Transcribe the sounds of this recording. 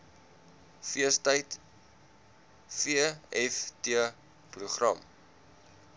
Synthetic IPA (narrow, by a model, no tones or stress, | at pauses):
fiəstəjt | fiəɛftiə | pruχrɐ̰m